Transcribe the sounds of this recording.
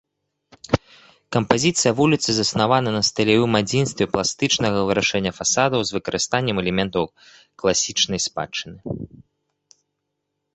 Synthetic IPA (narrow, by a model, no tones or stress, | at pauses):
kɐmpazʲit̪sɨjɐvulʲit̪sɨzɐsnavanɐnɐst̪ɐlʲavɨmad͡zʲinst̪vʲɛplˠast̪ɨt͡ʂnɐɣɐvɨɾaʂɛnʲːɐfasad̪ɐwzvɨkɐɾʔɨst̪anʲːɛmɛlʲɛmʲɛnt̪ɐw | klˠasʲit͡ʂnɐjspa̰t͡ʂːɨnɨ